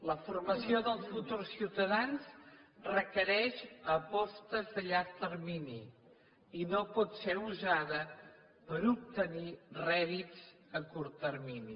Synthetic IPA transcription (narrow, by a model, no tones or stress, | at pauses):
ləfurməsioðəlˠsfut̪ursiwt̪əðanzrəkəɾɛʃəpɔst̪əzðəʎaɾt̪ərmini | inopɔt̪seuzaðə | pəɾup̚t̪ənirɛðid͡z | əkuɾt̪ərmini